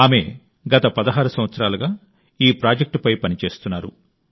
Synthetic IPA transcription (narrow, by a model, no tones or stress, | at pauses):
aːme̞̰ | ɡɐt̪ɐpɐd̪ɐɦaːɾusɐmʋɐt̪sɐɾaːluɡaː | iːpɾaːd͡ʒek̚ʈpɐjpɐnit͡ʃe̞ːst̪unːaːɾṵ